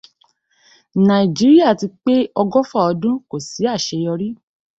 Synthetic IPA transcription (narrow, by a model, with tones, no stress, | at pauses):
nã˨i˨d͡ʒi˨˦ɾi˦a˦˨ti˧k͡pe˦ɔ˧ɡɔ˦fɔ˦˨ɔ˧dũ˦ko˦˨si˨˦a˦˨ʃe˧jɔ˧ɾi˦